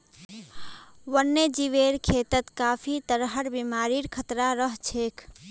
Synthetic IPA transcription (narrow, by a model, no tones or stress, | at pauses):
wənːed͡ʒiʋeɾkʰet̪ət̪kapʰit̪əɾɦəɾbimaɾiɾkʰət̪ɾaɾəɦt͡ʃʰekʰ